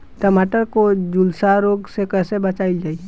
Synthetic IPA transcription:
ʈ̪əmaːʈəɾkod͡ʒʊlsaɾoːɡsekɛːsebət͡ʃaːɪld͡ʒaːiɛ

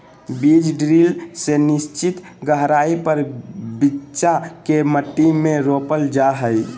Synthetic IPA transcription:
bid͡ʒɖɾilsenɪst͡ʃit̪ɡəɦɾaipəɾbitːt͡ʃakeməʈːimẽɾopəld͡ʒaɦəj

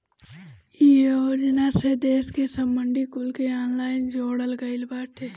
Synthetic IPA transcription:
ioːd͡ʒənased̪eːskesəmːəɳɖikʊlkeaːnlaːɪnd͡ʒoːɽəlɡəɪlbaːʈʰeː

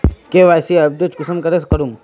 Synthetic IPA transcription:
keʋaːsiɐb̚d̪ot͡ʃkusɐmkɐɾeskɐɾum

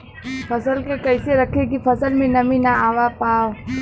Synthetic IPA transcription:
pʰɐsəlkekɐɪseɾɐkʰekifʰɐsəlmẽnɐmĩnaaːʋapaːo

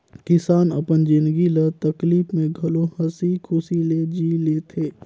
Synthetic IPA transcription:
kɪsaːnɐ̰pənd͡ʒɪ̃nɡilət̪ɐkliːfmẽɡʱɐlohɐsikʰʊsiled͡ʒiːleːt̪ʰeː

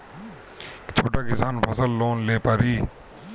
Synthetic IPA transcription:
t͡ʃʰoːʈaːkɪsaːnpʰəsəlːoːnleːpaːɾiː

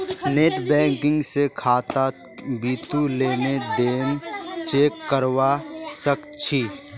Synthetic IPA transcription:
neːʈbɛ̃ːŋkɪ̃ŋɡsekʰaːt̪a | biːt̪uleːned̪eːnt͡ʃeːkːəɾwasəkt͡ʃʰiː

